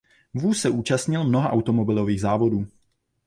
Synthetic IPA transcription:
vuːssɛʔuːt͡ʃast̪ɲɪlmnoɦaʔawt̪o̞mo̞bɪlo̞viːɣzaːvo̞duː

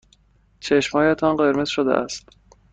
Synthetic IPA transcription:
t͡ʃʰe̞ʃmhɒːjet̪ʰɒnɢe̞ɾmez̥ʃod̪ḛʔæ̰st̪

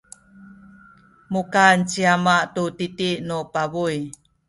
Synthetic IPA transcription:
mukant͡ʃiamaʔtutitiʔnupaβuj

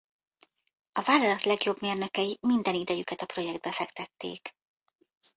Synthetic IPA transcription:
ɒvaːlːɒlɒt̪lɛɡjo̞bmeːrnø̞kɛjimind̪ɛnid̪ɛjykɛt̪ɒpro̞jɛɡd̪bɛfɛkt̪ɛt̪ːḛːk

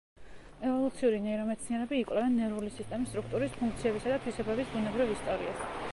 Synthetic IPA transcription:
ɛvɔlˠut̪sʰiuɾinɛiɾɔmɛt̪sʰniɛɾɛbiːkʼwlɛvɛnːɛɾulisist̪ʼɛmist̪ʼɾukʰt̪ʼuɾispʰuŋk̚ʰt̪sʰiɛbisad̪at̪ʰwisɛbɛbisbunɛbɾivist̪ʼavlḭa̰s

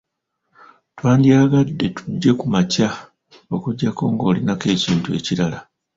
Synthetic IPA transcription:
twaːndjaːɡadːe̞tu̥ɟːe̞kumaca | o̞kuɟːako̞ːŋɡo̞ːlinake̞ːciːntue̞̰ciɾala

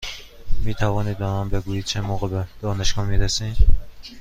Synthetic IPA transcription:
miːt̪ʰævɒːniːd̪̚bænɒnbeɡuːjiːd̪̚t͡ʃʰemoːɣebed̪̥ɒːneʃɡɒmiːɾæsin

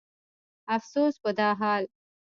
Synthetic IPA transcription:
afsoːsbod̪ɑːɦɑːl

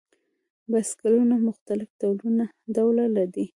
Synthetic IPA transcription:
baskalunamʊxt̪alɪfd̪awluna | d̪awlalad̪i

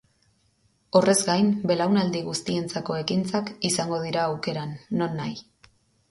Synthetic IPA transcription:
o̞re̞zɡajmbe̞lawnald̪iɣust̪ie̞nt͡sako̞e̞kint͡sakisaŋɡo̞ð̞iɾaːwke̞ɾanːo̞nːaj

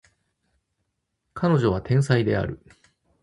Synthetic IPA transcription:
kʰano̞ʑo̞β̞at̪ẽ̞ɰ̃said̪e̞a̰ɾɯ̟

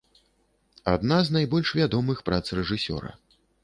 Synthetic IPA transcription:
a̰d̪naznajbɔlʲʂvʲad̪ɔmɨxpɾat̪srɛʐɨsʲɔ̰ɾɐ̰

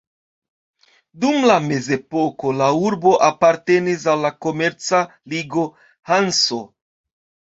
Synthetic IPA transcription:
dumlame̞ze̞po̞ko̞lauɾbo̞ʔapaɾte̞nis̬alːako̞me̞ɾt͡saliɡo̞ | hanso̞

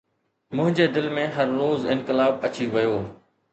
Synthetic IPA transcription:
mʊ̃ɦɪ̃ɲd͡ʑeːd̪ɪlmẽɦɐɾːoːzɪ̃nkɪlaːb̚ɐt͡ɕiʋɐjoː

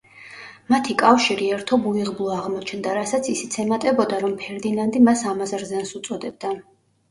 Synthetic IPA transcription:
mat̪ʰikʼafʃiɾiɛɾt̪ʰɔbuiʁblˠɔaʁmɔt͡ʃʰnd̪aɾasat̪sʰisɛ̥t̪sʰɛmat̪ʼɛbɔd̪aɾɔmpʰɛɾd̪inand̪imasamazɾzɛnsut̪sʼɔd̪ɛb̚d̪a

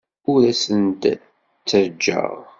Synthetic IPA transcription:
ʊɾæsənt̪ | t͡sːəɾd͡ʒːə̰ʁ

